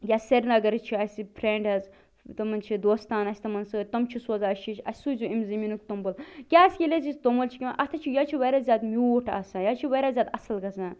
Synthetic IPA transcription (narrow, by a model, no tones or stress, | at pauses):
jaːseɾnɐɡɐɾt͡ʃʰiɐsʲipʰɾeɳɖɐz | t̪ɐmɐnt͡ʃʰid̪oːst̪aːnɐsʲt̪ɐmɐnsɨt̪ɐmt͡ʃʰiswɐzaːʃiʃʲɐ̰sʲsujzuimzɐminukt̪ombɐlkʲaːsʲkʲilʲezisʲt̪omɐlt͡ʃʰi̥kʲimaʔɐt̪ʰɐt͡ʃʰijat͡ʃʰiʋɐɾaːzʲjaːd̪miʈʰa̰ːsãːjat͡ʃʰiʋɐɾaːzʲaːd̪ɐsɐlɡɐsãː